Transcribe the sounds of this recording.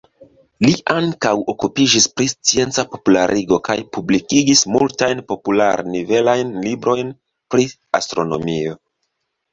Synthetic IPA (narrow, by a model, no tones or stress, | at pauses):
liʔaŋkawo̞kupid͡ʒispɾist͡sie̞nt͡sapo̞pula̰ɾʔiɡo̞kajpublikiɡismultajnpo̞pula̰ɾnive̞lajnlibɾo̞jn | pɾi | astɾo̞no̞̰mio̞